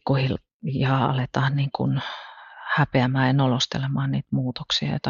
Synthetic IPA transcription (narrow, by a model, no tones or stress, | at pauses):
kːuhil | jɑɑ̰let̪ɑːnniːŋkṵn | hæpeæmæːjɑnolost̪ḛlemɑːnniːt̪muːt̪oksiɑ̰jo̰t̪ɑ